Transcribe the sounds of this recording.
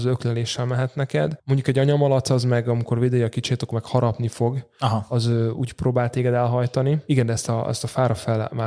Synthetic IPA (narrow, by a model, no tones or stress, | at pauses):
zøklɛleːʃːɛlmɛɦɛt̪nɛkɛ̰d̪mo̞ɲɟukɛɟːɒɲɒmɒlɒt̪sɒzmɛɡɒmiko̞rveːd̪eːjɒkit͡ʃeːt̪okmɛkhɒɾɒpnifo̞ɡ | ɦɒzøːuːcproːbaːlt̪eːɡɛd̪ɛlɦɒjt̪ɒniiɡɛnd̪ɛɛst̪ɒɛ̰st̪ɒfaːɾɒfɛlmaː